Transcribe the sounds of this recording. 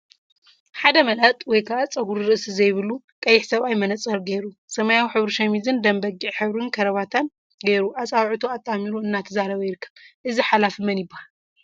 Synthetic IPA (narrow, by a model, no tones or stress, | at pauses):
ħad̪ɐmɐlʔɐt̪ʼwɔjkʰaʔat͡sʼɐɡuɾɾɨʔsizɐjβɨlu | kʼɐjːɪħsɐβajmɐnɐt͡sʼɐɾɡeɾusɐmajawiħɨβɾɨʃɐmizɨnd̪ɐmbɐɡiʕħɨβɾɨnkʰɐɾɐβat̪ʰan | ɡejɾuʔat͡sʼawʕut̪ʰoat̪ʼːamiɾuɨnːat̪ʰɐzaɾɐβɐjɪɾkʰːɐ̥βʔɨziħalafɨmɐnjɪbːahall